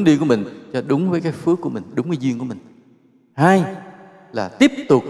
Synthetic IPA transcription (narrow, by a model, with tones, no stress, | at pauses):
nɗi˧˨ku˧˩əmï˨˩ŋ̟t͡ɕɔ˧ɗʊ˨˦ŋ͡mvəː˨˦jkaː˨˦jfɨ˨˦˥kːu˧˩əmï˨˩ŋ̟ɗʊ˨˦ŋ͡mkaː˨˦jzwəŋkəmï˨˩ŋ̟ | haː˧j | laː˨˩t̪i˦˥əp̚t̪ʊ˨˩k͡p̚